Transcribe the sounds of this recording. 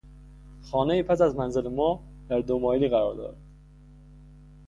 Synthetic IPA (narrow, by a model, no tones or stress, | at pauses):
xɒːnejiːpʰæs̬æzmænzelemɒː | d̪̥æɾd̪omɒːjeliːɣæɾɒːɾd̪ɒ̰ɾd̪